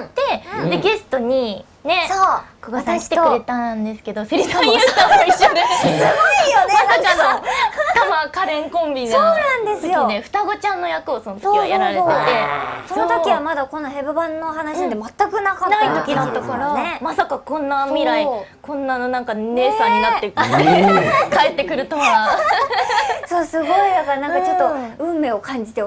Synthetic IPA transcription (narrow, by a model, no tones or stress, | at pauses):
t̪e̞d̪e̞ɡe̞sɨ̥t̪o̞ɲ̟i | ne̞sokoɡasai̥t̪ekɯ̟ɾe̞t̪ãnd̪e̞sɨ̥ke̞d̪o̞sɨɾʲisaiaiɕod̪esɨɡoijonmasakanot̪amakaɾẽ̞ŋkõ̞mbʲinoːnãnd̪esɨɨjoineɸɯ̟̥t̪aɡo̞t͡ɕãnːo̞jakɯ̟osonot̪ɨ̥iojaɾaɾetet̪e̞so̞nnot̪okʲiβamad̪ako̞nːaɦe̞bɯbãnːoɦanaɕid̪emat̪ːakɯ̟nakanait̪o̞kʲid̪at̪ːakaɾanemasakakõ̞nːamʲiɾaikõ̞nːanonãŋkane̞ːsãɲ̟ːinat̪ːe̞k̪ekaet̪ːe̞kɯ̟ɾɯ̟t̪ama | soːsɨɡo̞id̪akaɾnãŋkat͡ɕo̞t̪ːoɯ̟̃mːe̞ːokãɲ̟d͡ʑit̪e̞